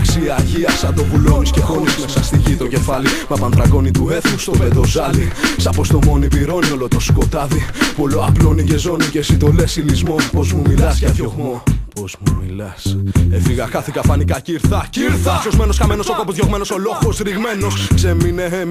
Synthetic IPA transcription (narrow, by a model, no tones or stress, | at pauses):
ksiɐʝiɐsɐd̪o̞vulo̞niscexo̞nismesɐst̪icit̪o̞ce̞fɐlimɐpɐnθɾɐɡo̞nit̪ue̞θust̪oed̪ozɐlisɐpo̞st̪o̞mo̞nipiɾo̞nio̞lot̪o̞sko̞t̪ɐðipoloaplonice̞zo̞nicesit̪o̞le̞silizmo̞po̞zmumilɐsʝɐðoɣopozmumilɐsefiɣɐxɐθikɐfɐnikɐciɾθɐciɾθɐsozmenoskɐmeno̞soko̞pozʝoɣme̞no̞solo̞xosɾiɣme̞no̞skseminee